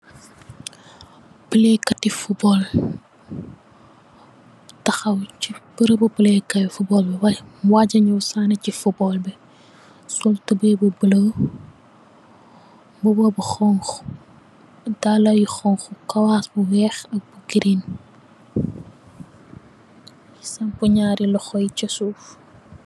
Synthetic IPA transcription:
bəlɛkːɐtifubɔl | tɐxɐwt͡ʃibəɾəbɐbəlɛkɐjfubɔːlbɛwɐjmwaɟɐɲuwsaːnɐcifubɔlbɛ | sɔltəbɛbubələw | bubɐbuxɔŋxu̥ | dalɐjixɔŋxukɐwaːsbuwɛːxɐk̚buɡiɾin | isɐmpuɲaːɾilɔxɔjicɐsuːf

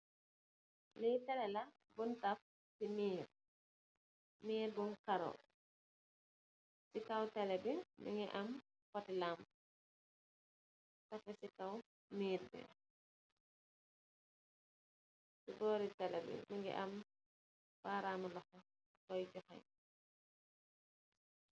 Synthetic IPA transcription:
lɛjtɛlɛla | buntaf | simiːɾ | miːɾbunkaɾɔ̰ | sikawtɛlɛbimḭŋɡɛʔam | kɔtilam | tɐfɛsikaw | miːɾbɛ̰ | sibɔːɾitɛlɛbɛ̰miŋɡɛ̰ʔam | b̥aɾamalɔkɔ | kɔjɟɔxa̰j

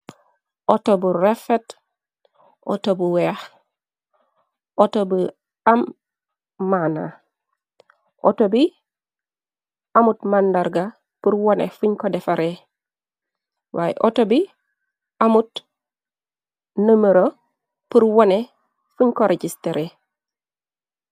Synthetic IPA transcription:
ʔotobuɾefet | ʔo̰tobuweah | otobu | amː | ana̰ | ʔo̰tobi | amutmandaɾɡa | puɾwonḛfuɲkodefaɾe | wʔa̰ːjḛʔotobi | amut | nəməɾo | puɾwone | fuɲkoɾeɟisteɾe

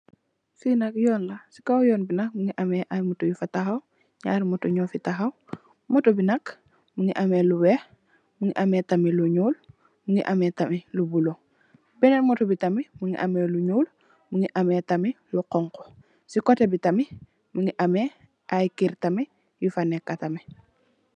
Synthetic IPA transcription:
sinakjoːnlasi̥kawjoːnbinak̚muŋiʔameʔajmutojufataxaw | ɲa̰ːɾmotoɲofitaɦaw | motobinak | muŋḭʔameluwe | muŋiʔametamiluɲuːl | muŋiʔametamilubulo | bɛnenmotobitamimuŋḭʔameluɲuːl | muŋiʔametamiluqɔŋko̥ | sikotebitami | muŋiʔame | ʔajkiɾtami | jufanekːatami

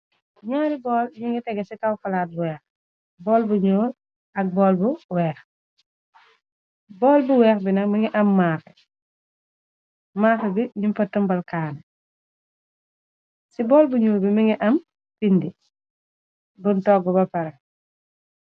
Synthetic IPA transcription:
ɲaːɾibɔːlɲiŋɡitɛɡɛsikawfalaːt̚buwɛːx | bɔːlbuɲoːl | ɐk̚bɔːlbuwɛːx | bɔːlbuwɛːxbinɐkmiŋiʔɐmːaːxɛ | maːxɛbiɲimfɐtːɐmbɐlkaːn | sibɔːlbuɲuːlbimiŋiʔɐm | pindi | buntɔɡɔbɐpɐɾɐ

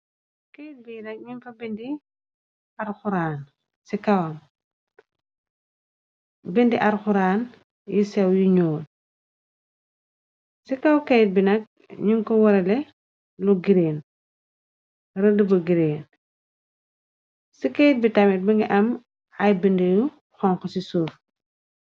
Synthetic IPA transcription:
kɛjt̚binɐk̚ɲumfɐbindi | ɐrxuɾaːn | sikɐwɐm | bəndiʔɐɾxuɾaːn | jisɛwjiɲɔːt̚ | sikɐwkɛjt̚binɐk̚ | ɲuŋkɔwɐɾɐlɛ | luɡiɾeːn | rɐdəbɐɡiɾeːn | sikɛjt̚bitɐmit̚bɐŋɡiʔɐm | ɐjbəndiju | xɔŋxɔsisuːf

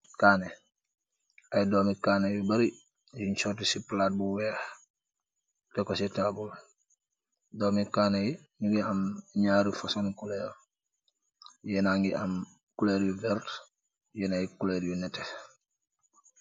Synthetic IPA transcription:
kaːne | ajdoːmikaːnejubaɾi | d͡ʒiɲt͡ʃotisiplaːt̚buweːh | tekositabul | doːmikaːneji | nuɡiamɲaːɾifasonikuleɾ | jenaŋɡiʔam | kuleːɾjuvɛɾt | jenajikuleːɾjunɛte

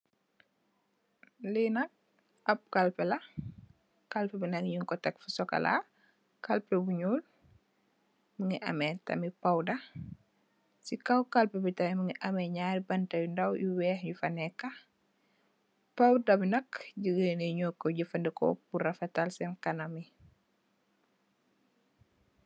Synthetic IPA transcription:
linɐk̚ | ɐp̚kɐlpɛlɐ | kɐlpɛbinɐkjiŋkɔtɐkfusɔkɐ̰lʔa̰ | kɐlpɛbuɲuːl | məŋiʔɐ̰mɛtɐ̰mipɐwdɐ | sikɐwkɐlpɛbitɐjməŋiʔɐmɛɲaːɾibɐntɐjundɐwjuwɛːhɲufɐnɛkːɐ | pɐwdɐbinɐkɟəɡəneɲɔkːɔɟəfɐndɛkɔ̰puɾɐfɐtalsɛnkɐnɐmi

